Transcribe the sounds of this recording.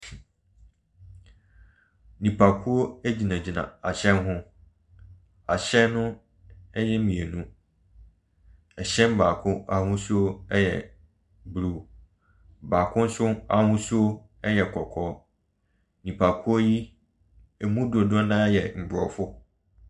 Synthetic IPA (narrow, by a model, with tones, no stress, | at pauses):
nĩ˨pʰa˨kʰu˦o˦æ˦d͡ʑi˨nã˨d͡ʑi˨nã̰˨a̰˨ɕɛ̃˦nɦʊ̃˦ | a˨ɕɛ˦nʊ̃˦ | ɛ˦jɛ˦mĩ˨e˨nũ˦ | ɛ˨ɕɛ̃˦m˦baː˨kʰʊ̃˦a˨hʊ̃˦sʊ˦o˦ɛ˦jɛ̰˨ | bɾu˨ | ba˨kʰʊ̃˦n̩˦sʊ˦a̰˨hʊ̃˦sʊ˦o˦ | ɛ˦jɛ˨kʰɔ˨kʰɔː˦ | nĩ˨pʰa˨kʰu˦o˦ji˦ | e˨mũ˦du˨o˨dʊ˦ɔ̃˦nã˦jɛ˨m̩˨bʊ˨ɾɔ˨fʊ˦